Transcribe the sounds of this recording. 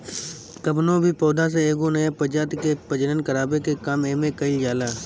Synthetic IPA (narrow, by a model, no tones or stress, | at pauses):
kəpnõbʱipɔːd̪as̬eeːɡonəepəd͡ʒaːt̪kepəd͡ʒnənkəɾaːbekekaːmeːmẽkəɪljaːlaː